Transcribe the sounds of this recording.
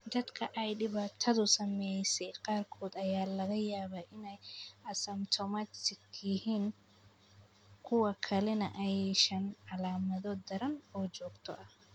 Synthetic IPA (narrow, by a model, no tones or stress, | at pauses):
d̪ɐd̪kʰɐʔɛjɖɪβaːt̪ʰɐðʊsɐmɛjsɛjqɑːrkʰɔːd̪ɐjaːlɐɣɐjaːβaʔɪnɛjʔɐsɐmt̪ʰɔmɐt̪ɪɡjɪhiːn | kʰʊwɐkʰɐlɛnɐʔɐjɛʃɐnʕalaːmɐðɔd̪ɐɾɐnɔːd͡ʒɔːɡt̪ʰɔ̰ʔɐh